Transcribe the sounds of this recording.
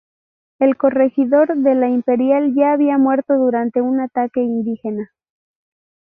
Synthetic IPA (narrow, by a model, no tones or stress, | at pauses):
e̞lko̞re̞xiðo̞ɾðe̞laimpe̞ɾjalʝaːβiamwe̞ɾt̪o̞ðuɾant̪e̞unat̪ake̞ind̪ixe̞na